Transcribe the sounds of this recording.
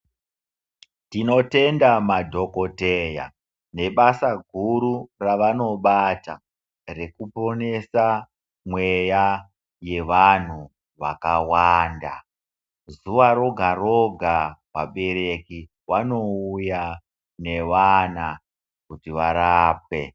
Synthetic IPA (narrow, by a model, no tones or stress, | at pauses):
tino̞te̞ndamadʱo̞ko̞te̞ja̰ | ne̞ɓasaɡʱuɾuraʋano̞ɓata | re̞kupo̞ne̞sa | mwe̞ja | je̞ʋan̤u | ʋakawaːnda̰ | zuʋaɾo̞ɡʱaro̞ɡʱawa̰ɓe̞ɾe̞ki | wano̞uja | ne̞ʋana | kutiʋaɾaːp̚e̞̰